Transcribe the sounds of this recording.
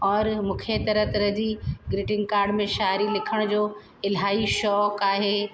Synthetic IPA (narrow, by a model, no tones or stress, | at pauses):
ɔːɾmʊ̃ːkʰet̪ɐɾət̪ɐɾɐd͡ʑiːɡɾɪʈɪ̃ŋɡ̚kaːɾɖmẽʃaːɾilɪkʰəɽ̃d͡ʑoː | ɪlɦaːiʃɔːkaːɦeː